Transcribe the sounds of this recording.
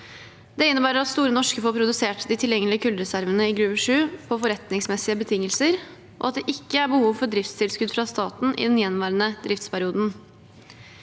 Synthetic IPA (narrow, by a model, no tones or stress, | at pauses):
d̪̥ɛɪnːəbæːɾəɾɑt̪st̪uːɾənɔʂkəfoːɾpʰɾʊd̪ʉseːʈd̪ɪt̪ʰɪljɛŋːəlɪəkʰʉld̪ɾɛsæɾʋənəɪɡɾʉːʋəʂʉːpʰɔfɔɾɛt̪nɪŋsmɛsɪəbət̪ʰɪŋːəlsəɾ | ʔɔ̰ɑt̪̚d̪ɛʔɪkːəæɾbəhuːʋfɔɖɾɪft̪st̪ʰɪlskʉd̪fɾɑst̪ɑːt̪n̩ʔɪ̰d̪ɛnjɛnʋæːɾənəd̪ɾɪft̪spʰæɾɪuːd̪n̩